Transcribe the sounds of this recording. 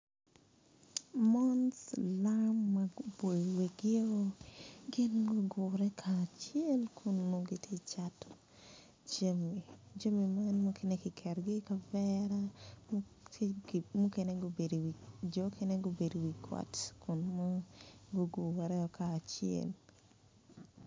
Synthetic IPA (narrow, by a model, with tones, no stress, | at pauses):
mɔ˦nslamːaɡobo˨iwe˨ɡɪ˦o˦ɡɪ˦nɡo˦ɡʊ˨ɾɛ˦kʰaː˨t͡ʃie˦lkʰʊ˨nmo˨ɡɪ˦tʰe˦t͡ʃatɔ̥ | t͡ʃami˨d͡ʒo˦mi˨ma˦nmɔ˦kʰɪ˦ne˦kɪ˨kʰɛ˨ɾɡɪ˦ka˨vɛ˦ɾam | mu˦ke˦ne˦ɡo˦be˨dwid͡ʒokʰe˦ne˦ɡo˦be˨do˨wi˨kʰwɔ̰˨tkʊ˨nmɔ˦ɡo˦ɡʊ˨ɾɛ˦ɔ˨kʰaː˨t͡ʃɪɛ̰˨l